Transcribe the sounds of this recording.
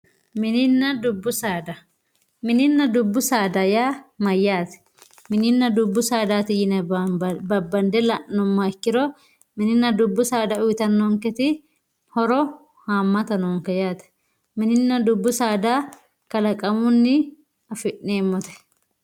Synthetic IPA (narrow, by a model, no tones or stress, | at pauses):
mɪnɪnːɐd̪ʊbːʊsaːd̪ɐ | mɪnɪnːɐd̪ʊbːʊsaːd̪ɐjaːmɐjːaːt̪ɛ̥ | mɪnɪnːɐd̪ʊbːʊsaːd̪aːt̪ɪjɪnɐbɐbːɐnd̪ɛlɐʔːɔmːɐɛkːɪɾɔ | mɪnɪnːɐd̪ʊbːʊsaːd̪ɐʊjt̪ɐnːɔŋkɛt̪ɪ | hɔɾɔ | haːmːɐt̪ɐnɔŋkɛjaːt̪ɛ̥ | mɪnɪnːɐd̪ʊbːʊsaːd̪a | kɐlɐkʼɐmʊnːɪ | ɐfɪʔneːmːɔt̪ɛ̥